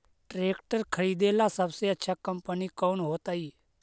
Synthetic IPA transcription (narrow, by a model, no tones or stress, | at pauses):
ʈɾeːkʈəɾkʰəɾiːd̪eːlasəbseətːʃʰakəmpənikoːnɦoːt̪aːiː